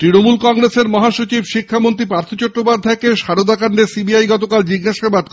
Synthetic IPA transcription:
t̪ɾinomulkɔŋɾeseɾmɔɦaʃot͡ɕibʃikʰːamont̪ɾipɾaɾt̪ʰot͡ɕɔʈːopaɾd̪ʱːaekeʃaɾod̪akaɳɖesibiajɡɔt̪okald͡ʑiɡːaʃabad̪̚k

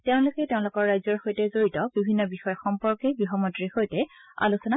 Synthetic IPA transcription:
teʊ̃lʊkɛteʊ̃lʊkɔɹɹajzɔɹxojtɛzoɹitɔbibʱinːɔbixɔjɔxɔmpɔɹkɛɡɹiɦɔmɔntɹixojtɛa̰lusɔna

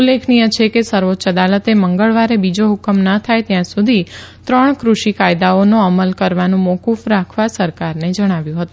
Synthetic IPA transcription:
ulːekʰnijət͡ʃʰekesəɾʋot̪ːt͡ʃəd̪alət̪eməŋɡəɭʋaɾebid͡ʒoɦukəmnət̪ʰajt̪jãsud̪ʱit̪ɾəɳkɾuʃikajd̪aonoəməlkəɾʋanũmokufɾakʰʋasəɾkaɾned͡ʒəɽ̃aʋjũɦət̪ũ

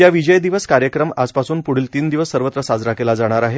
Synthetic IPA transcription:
jaʋid͡ʑəjd̪iʋəskaɾjəkɾəmad͡zpasuːnpuɽ̤iːlt̪iːnd̪iʋəsːəɾʋət̪ɾəsad͡zɾakelad͡zaɽ̃aɾaɦe

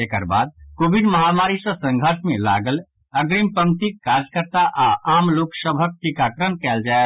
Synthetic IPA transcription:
ekə̰ɾba̰ːd̪̚koːbiɖ̪məɦamaːɾisəsə̃ŋɡʱəɾʃmẽla̰ːɡəl | ɐɡɾimpə̃ŋkt̪ikːaːɾd͡ʒkəɾt̪aʔaʔaːmloːksəbʱək̚ʈikaːkɾənkɛːld͡ʒaːe

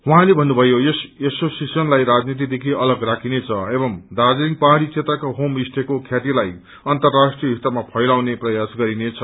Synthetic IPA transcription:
ɦuɦãlebʱʌnːubʱʌjojʌsesosisʌnlajɾad͡znit̪̬id̪ekʰiʌlʌɡrakʰinet͡sʰʌebʌmd̪ad͡zɾiŋpaɦaɽ̃it͡sʰet̪rakaɦomisʈ̪ʰekokʰjat̪ilaj | ʌnt̪ʌrːasʈrijʌɦit̪amapʰʌjlawneprʌjasɡʌɾinet͡sʰʌ

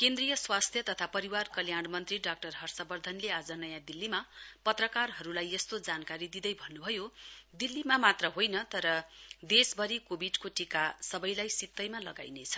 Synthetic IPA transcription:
kend̪rijʌswast̪ʰjʌt̪ʌt̪ʰapʌɾiwarkʌljaɽmʌnt̪riɖak̚ʈʌrɦʌrsʌbʌrd̪ʱʌnlead͡zʌnʌjãd̪ilːimapʌt̪rʌkarɦʌɾulajʌst̪od͡zankaɾid̪id̪ʌjbʱʌnːubʱʌjod̪ilːimamat̪rʌɦojnʌt̪ʌɾʌd̪esbʱʌɾikobʱiɖkoʈikasʌbʌjlajsit̪ːʌjmalʌɡa̰jnet͡sʰʌ̥

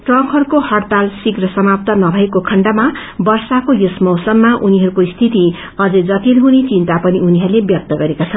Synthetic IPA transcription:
ʈrʌ̃kɦʌɾukohʌrt̪alsikrʌsʌmap̚t̪anʌbʱʌekokʰʌɳɖama | bʌrsakojosmʌwsʌmːaʔuniɦʌɾukoist̪ʰit̪i | ʌd͡zʌd͡zʌt̪ilɦunit͡sint̪apʌniuniɦʌɾulebjʌk̚t̪ʌɡʌɾekat͡sʰʌn

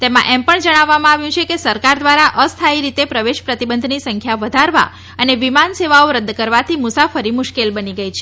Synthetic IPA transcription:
t̪emã̰ʔɛmpəɳd͡ʒəɽ̃aʋːamãaʋjũt͡ʃʰekesəɾkaɾd̪ʋaɾaʔəst̪ʰaiɾit̪epɾəʋeʃpɾət̪ibənd̪ʱnisəŋkʰjaʋəd̪ʱaɾʋa̰ | əneʋimanseʋaoɾəd̪kəɾʋat̪ʰimʊsafəɾimʊʃkelbəniɡəit͡ʃʰe

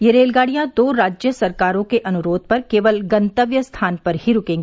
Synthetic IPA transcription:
jeɾeːlɡaːɽijãd̪oːɾaːd͡ʒjəsɐɾkaːɾõkeʔɐnʊɾoːd̪̚pɐɾkeːʋəlɡɐ̃nt̪əʋjəst̪ʰaːnpɐɾɦiɾʊkẽːŋɡ

